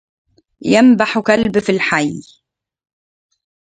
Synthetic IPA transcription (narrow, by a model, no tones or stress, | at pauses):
jambaħkalbfilħaj